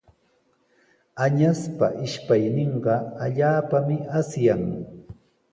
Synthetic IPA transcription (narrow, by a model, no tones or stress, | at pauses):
aɲaspaʔɪʃpajnɪɴɢɑaʎaːpamɪʔasjaŋ